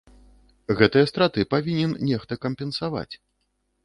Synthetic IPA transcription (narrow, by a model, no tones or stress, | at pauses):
ɣɛt̪ɨjɐst̪ɾat̪ɨpavʲinʲɛnnʲɛxt̪ɐkɐmʲpʲɛnsava̰t͡sʲ